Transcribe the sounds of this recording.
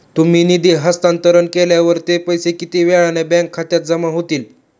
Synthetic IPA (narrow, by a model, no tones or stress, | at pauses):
t̪um̤iːnid̪iɦəst̪ant̪əɾənkeljaʋəɾt̪epəjsekit̪iːʋɛɭanebɛ̃ŋkʰːat̪jat̪̚d͡zəmaɦot̪iːl